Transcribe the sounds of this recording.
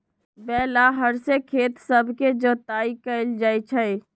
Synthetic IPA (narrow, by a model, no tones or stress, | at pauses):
bɛːlaɦəɾsekʰeːt̪səbʱked͡ʒəːt̪aːikəld͡ʒaːit͡ʃʰɛi